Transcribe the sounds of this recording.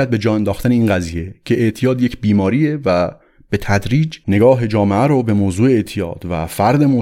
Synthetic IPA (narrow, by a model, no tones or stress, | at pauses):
æd̪̚be̞d͡ʒɒːend̪ɒːxt̪æneiːnɡæziːje̞cʰe̞ʔːʔt̪ʰijɒːd̪jecʰbiːmɒːɾiːe̞væ | b̥e̞t̪ʰæd̪ɾiːd͡ʒne̞ɡɒːɦed͡ʒɒːmeʔæɾobe̞moːzuːeeʔt̪ʰijɒ̰ːd̪̥væ̰fæɾd̪e̞mo